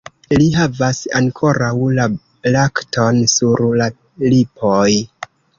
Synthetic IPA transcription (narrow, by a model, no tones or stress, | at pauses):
liɦavasa̰ŋkʰo̞ɾawla | laktʰo̞nsuɾla | lipʰoj